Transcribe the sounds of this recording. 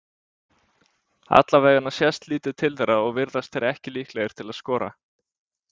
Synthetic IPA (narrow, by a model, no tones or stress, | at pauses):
a̰t̪lavɛːɣanːasjɛst̪liːt̪ɪð̥t̪ʰɪlθɛɾaɔɣvɪɾðast̪θɛɾɛhcɪliːhklejɪɾ̥t̪ʰɪlaðskɔːɾa̰